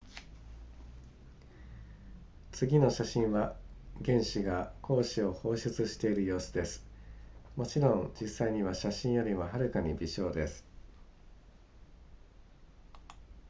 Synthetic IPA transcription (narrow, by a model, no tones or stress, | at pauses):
t͡sɨɡʲino̞ɕaɕĩɰ̃βaɡẽ̞ɰ̃ɕiɡakʰo̞ːɕio̞ho̞ːɕɨt͡sɨɕi̥t̪e̞iɾɯ̟jo̞ːsɨd̪e̞sɨ̥mo̞t͡ɕiɾõ̞ŋd͡ʑisːaiɲ̟iβaɕaɕĩɰ̃jo̞ɾʲimaɦaɾɯ̟kaɲ̟ibʲiɕo̞ːd̪e̞sɨ̥